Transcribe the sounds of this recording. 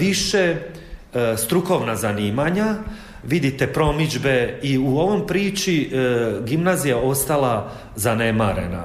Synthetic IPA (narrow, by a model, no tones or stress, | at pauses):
ʋiʃe | st̪ɾuko̞ʋnazaniːmaɲa | ʋid̪it̪e̞pɾo̞mid͡ʒbeiuo̞ʋo̞mpɾiːt͡ʃiɡimnazijao̞st̪ala | zane̞maɾḛna̰